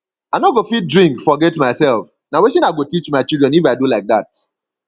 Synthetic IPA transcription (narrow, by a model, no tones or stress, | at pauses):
aɪnɔɡofit̚dɹĩŋkfɔɡɛtmaɪsɛlf | naweʃĩnaɪɡotit͡ʃmaɪt͡ʃildɹɛ̃nifaɪdulaɪk̚ðat̚